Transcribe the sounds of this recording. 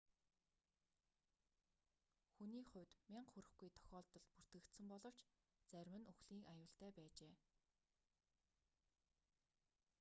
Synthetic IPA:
xuniːχʊ̟wt̪mʲiɴχɵɾɘ̆xɡujt̪ʰɔ̥xʲɔːɮt̪ɞ̆ɮpur̥t̪ɡɘ̆kt̪sɘ̆mpɔɮɞ̆w̥t͡ɕ | t͡særʲwɘ̆nɵxɮiːkajʊːɬt̪æːpæːt͡ɕeː

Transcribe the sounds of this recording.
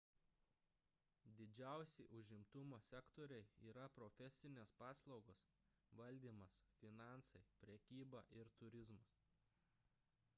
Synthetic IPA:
d̪ʲɪd͡ʒʲæˑʊsʲɪʔʊʒʲɪmt̪ʊmoːsʲɛkt̪oːɾʲɛɪiːɾɐpɾɔfʲɛsʲɪnʲeːspɑːslˠɒʊɡoːs | ʋɐlʲd̪ʲiːmɐsfʲɪnɑˑnsɐɪpʲɾʲɛkʲiːbɑːʔɪɾt̪ʊɾʲɪzmɐs

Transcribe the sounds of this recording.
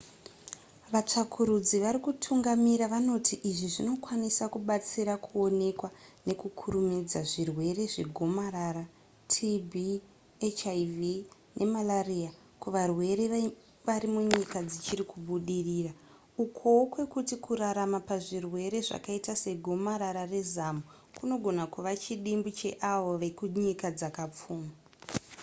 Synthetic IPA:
ʋat͡ʂakʰuɾud͡ziʋaɾikutʰuŋɡamiɾaʋano̞tiʔiʐiʐino̞kwanisakuɓat͡siɾakuo̞ne̞kwane̞kukʰuɾumid͡zaʐirwe̞re̞ʐe̞ɡʱo̞maɾaːɾa | tʰibʱi | et͡ʃaivi | nʔe̞malaria | kuʋarwe̞ɾe̞ | ʋaɾimuɲikad͡zit͡ʃiɾikuɓuɗiriːra | ukʰo̞kwe̞kutikuɾaɾamapaʐirwe̞ɾe̞ʐa̰kaitase̞ɡʱo̞maɾaɾare̞zamu | kuno̞ɡʱo̞nakuʋat͡ʃiɗimbut͡ʃe̞ʔaʋoʋekuɲikad͡zakap͡fuːma

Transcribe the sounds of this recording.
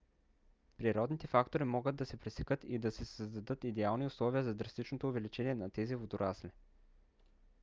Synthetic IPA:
pɾiɾɔd̪nit̪ɛfakt̪oɾimɔɡəd̪ːɐsɛpɾɛsɛkɤt̪id̪ɐsɛsəzd̪ɐd̪ɤt̪id̪ɛalˠniʊslˠɔviəzɐd̪ɾɐst̪it͡ʃnot̪oːvɛlit͡ʃɛniɛnɐt̪ɛzivod̪ʊɾʔasli

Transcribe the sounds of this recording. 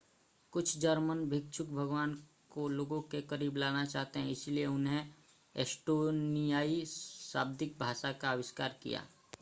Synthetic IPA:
kʊt͡ʃʰd͡ʒəɾmənbʱɪk̚t͡ʃʰʊk̚bʱɐɡwaːn | koloːɡõkekɐɾiːblaːnat͡ʃaːɦt̪eɦɛ̃ɪsilieʊnɦe | eːsʈoːnijaːisaːb̚d̪ɪk̚bʱaːʃakaːʋɪʃkaːɾkḭja̰ː

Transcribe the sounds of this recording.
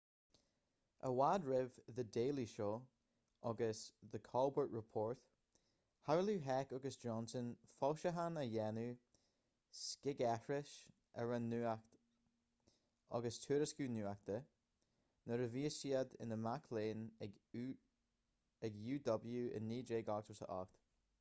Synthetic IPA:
ʔə̰wadɹɪvðədeːlˠiʃoː | ʔɔɡəsðəkʰɔlˠbəɹʔɹəpʰɔːɹθ | haɹluɦɛkɔɡəsd͡ʒɔnsənfɔlˠʃəɦanəjɛnʉ | skɪɡɛfɹɪʃ | ə̰ɹənːuːakt̪ | ɔ̰ɡəstʰuːɾəskuːnuːak̚t̪ə | nəɾəviːəsiːad̪ɪ̰nəmakʰleːn | ɛɡjuːd̪ɔbl̩ˠjuːʔɪ̰nːiːd͡ʒeːɡɔɡswəsə̰ʔɔ̰kt̪

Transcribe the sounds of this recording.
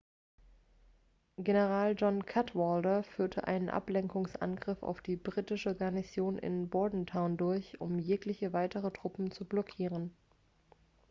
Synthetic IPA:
ɡ̥enəʁ̞aːld͡ʒɔnkʰatvɔldɐfyːɐtʰəʔa̰ɪnənʔa̰plɛŋkʊŋsʔa̰nɡʁɪfa̰ʊfd̥iːbʁiːtɪʃəɡaɐnizjoːnʔɪ̰nbɔɐdn̩tʰaʊndʊɐçʊ̰mjeːklɪçəvaɪtʰəʁətʁ̥ʊpm̩t͡sublɔkʰiːʁ̞ən

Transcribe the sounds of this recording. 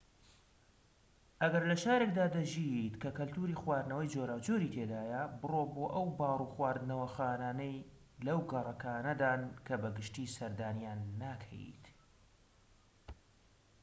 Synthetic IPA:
ʔɐɡɐɾlɐʃaːɾe̞kd̪aːd̪ɐʒit̪kɐkɐlt̪uːɾiːxwaːɾnɐwɐjd͡ʒoɾaːwd͡ʒoɾiːt̪ʰed̪aːjɐbɨroboːʔɐwbaːrˤuːxwaːɾd̪ɨnɐwɐxaːnaːnɐj | lɐwɡɐrˤɐkaːnɐd̪aːnkʰɐbɐɡɨʃt̪iːsɐɾd̪aːnijaːnːaːkʰɐ̰jḭt̪

